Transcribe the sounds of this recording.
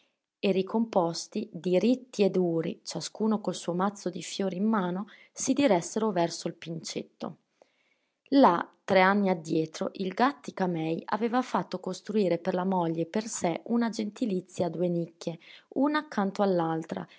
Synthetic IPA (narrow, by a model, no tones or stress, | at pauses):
eɾikʰompɔst̪id̪iɾit̪ːied̪uːɾḭt͡ʃaskuːnokolsuːomat̪sːod̪ifjoːɾimːaːno | sid̪iɾɛsːeɾovɛrsoilpint͡ʃḛt̪ːo̰ | lat̪ːɾeanːiad̪ːjɛːt̪ɾo̰ʔilɡat̪ːikamɛja̰veːvafat̪ːokost̪ɾuiːɾeperlamɔʎːeperseunad͡ʒent̪ilit̪sːjad̪ːuenikːeunaːkːant̪oalːalt̪ɾa̰